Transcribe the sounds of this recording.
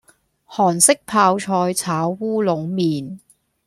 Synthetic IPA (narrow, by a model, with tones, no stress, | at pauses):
hɔː˨˩nsɪ˥k̚pʰaː˧wt͡ʃʰɔː˧jt͡sʰaː˨˥wːuː˥lo˨˧˥wmiː˨n